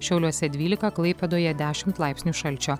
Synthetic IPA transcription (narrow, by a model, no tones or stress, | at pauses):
ʃʲɛʊlʲuɔsʲɛd̪ʲʋʲiːlʲɪkɐklˠɐɪpʲɛd̪oːjɛd̪ʲæːʃʲɪmt̪lˠɑˑɪpʲsʲnʲuʃɐlʲt͡ʃʲoː